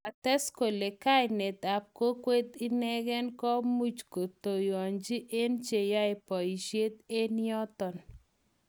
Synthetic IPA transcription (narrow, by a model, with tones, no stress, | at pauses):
a˨tɛ˦sko˨le˨ka˦jnɛ˨t̪a˨p̚ko˦kwe˦t̪i˦nɛ˦ɣɛ˦nkɔ˦mu˦t͡ʃko˨t̪o˨jɔ˨ɲd͡ʒi˦ʔe˦nt͡ʃe˨ja˦ɪ˨pɔ˨i˨ʃje˦t̪e˦nɪ˦ɔ˦t̪ɔ˨n